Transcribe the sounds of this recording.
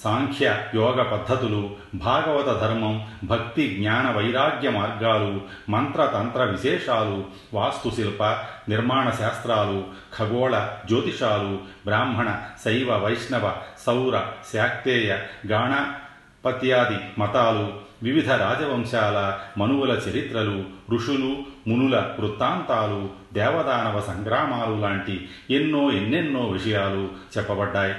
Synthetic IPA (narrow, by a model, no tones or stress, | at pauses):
saːŋkʰjɐjɔːɡɐpɐd̪ʱːɐt̪ulu | bʱaːɡɐʋɐt̪ɐd̪ʱɐɾmɐmbʱɐkt̪iɡɲaːnɐʋɐjɾaːɡjɐmaːɾɡaːlu | mɐnt̪ɾɐt̪ɐnt̪ɾɐʋiʃeːʂaːlu | ʋaːst̪usilpɐniɾmaːɳɐʃaːst̪ɾaːlu | kʰɐɡɔːɭɐd͡ʒoːt̪iʂaːlubɾaːmɦɐɳɐsɐjʋɐʋɐjʂnɐʋɐsɐwɾɐsjaːk̚t̪eːjɐɡaːɳɐ | pɐt̪jaːd̪imɐt̪aːluʋiʋid̪ʱɐɾaːd͡ʒɐʋɐŋʃaːlɐmɐnuʋɐlɐt͡ʃɐɾit̪ɾɐluɾuʂulumunulɐʋɾut̪aːnt̪aːlu | d̪ɛːʋɐd̪aːnɐʋɐsɐŋɡɾaːmaːlulaːɳʈi | enːoːenːenːoːʋiʂɐjaːlut͡ʃɛpːɐbɐɖːaːj